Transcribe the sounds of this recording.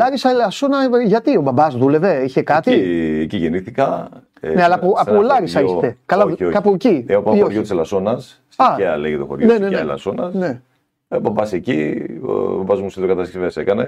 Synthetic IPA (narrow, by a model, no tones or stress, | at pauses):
lɐɾisɐelɐsonɐʝɐt̪io̞bɐbɐzðule̞ve̞içe̞kɐt̪ieciʝeniθikɐ | neɐlɐpoɐulɐɾisɐist̪ekɐlɐokɐpuciopɐoɾʝot̪iselɐso̞nɐs | sɐeɐleʝet̪o̞xoɾonenenɐelɐ̰so̞nɐsne | bɐbɐsecḭ | bɐbɐzmusiðokɐt̪ɐst̪isveɐsekɐne̞